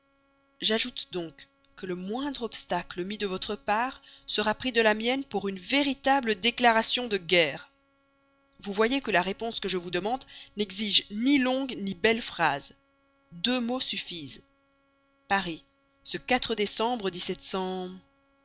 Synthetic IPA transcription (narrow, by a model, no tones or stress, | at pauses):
ʒaʒut̪d̪ɔ̃k | kːələmwɛ̃d̪ʁɔpst̪akləmid̪əvɔt̪χəpaːʁsəʁapχid̪əlamjɛnpuʁynveʁit̪abləd̪eklaʁasjɔ̃d̪əɡɛːʁ | vuvwajekəlaʁepɔ̃skəʒəvud̪əmɑ̃d̪nɛɡziʒnilɔ̃ɡnibɛlfχaz | d̪ømosyfiz | paʁi | səkat̪χəd̪esɑ̃bʁəd̪isɛt̪sɑ̃